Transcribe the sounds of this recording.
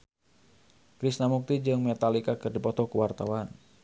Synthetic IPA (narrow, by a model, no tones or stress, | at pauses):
kɾisnamuk̚t̪id͡ʒɨŋmɛt̪alikakɨrdipɔt̪ɔkuwart̪awan